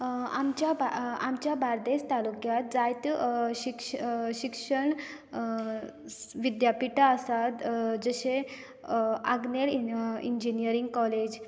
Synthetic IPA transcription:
amt͡ɕjabaamt͡ɕjabʱaɾd̪est̪alukjat̪̚d͡zajt̪ɕikʂɕikʂəɳ | ʋid̪japiʈaəsat̪d͡zəɕe | aɡnelḭɲd͡ʑinijəɾiŋɡkɔled͡ʑ

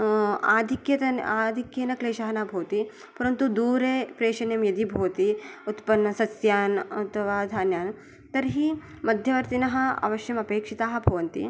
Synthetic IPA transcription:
aːd̪ʱikjɐt̪ɐnaːd̪ʱikjeːnɐkleːʃɐɦɐnaːbʱɐːt̪i | pɐɾɐnt̪ud̪uːɾeːpɾeːʂɐnjɐmjɐd̪ibʱoːt̪iut̪pɐnːɐsɐsjaːnɐt̪ʰɐʋaːd̪ʱaːnjaːn | t̪ɐɾɦi | mɐd̪ʱjɐʋɐɾt̪inɐɦɐɐ̰ʋɐʃjɐmɐpeːkʂit̪aːɦɐbʱɐʋɐnt̪ḭ

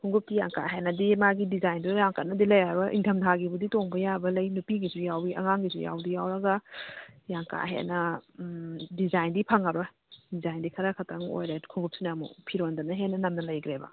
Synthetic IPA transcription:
kʰuŋɡup̚tijaŋka̰ɦenɐdimaɡidizajndujaŋkɐt̚nɐdilɐjaɾoʔḭŋtʰɐmtʰaɡibuditoŋbɐjabɐlɐjnupiɡizujawiʔɐ̰ŋaŋɡizṵja̰wdijawɾɐɡɐ | jaŋka̰ɦḛnɐ | dizajndipʰaŋaɾo | dizajndikʰɐɾakʰɐtʰɐŋo̰jɾekʰuŋɡup̚sinɐmṵpʰiɾondɐnɐɦenɐnɐmnɐlɐjɡɾebɐ̰

